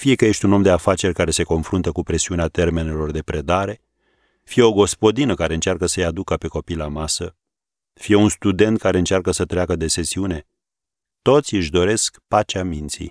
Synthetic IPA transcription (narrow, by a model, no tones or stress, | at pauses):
fije̞kəje̞ʃt̪ʲuno̞md̪e̞afat͡ʃe̞rʲkaɾe̞se̞ko̞nfɾunt̪əkupɾe̞siuneat̪e̞rme̞ne̞lo̞rd̪e̞pɾe̞d̪aɾe̞ | fije̞o̞ɡo̞spo̞d̪inəkaɾe̞ɨnt͡ʃarkəsəjad̪ukəpe̞ko̞pijlamasə | fije̞unst̪ud̪e̞nt̪̚kaɾe̞ɨnt͡ʃarkəsət̪ɾeakəd̪e̞se̞siune̞ | t̪o̞t̪sʲɨʃd̪o̞ɾe̞skpat͡ʃamint̪sḭ